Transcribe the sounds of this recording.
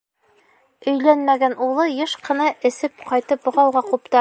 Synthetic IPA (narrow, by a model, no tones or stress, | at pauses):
ɵ̆jlænmæɡænulˠɤjɤʃqɤ̆nɑʔɘ̆sɘp̚qɑjt̪ɤpbŏʁɑwʁɑqupt̪ɑ